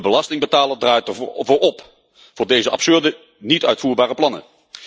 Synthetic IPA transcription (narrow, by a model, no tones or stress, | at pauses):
bəlɑstɪŋbətaːləndraːjtəɹvʊːɹɔp | v̥ʊːɹdejzəʔɑ̰psɵɹdə | nitœɥtfuːɹbaːrəplɑnə̰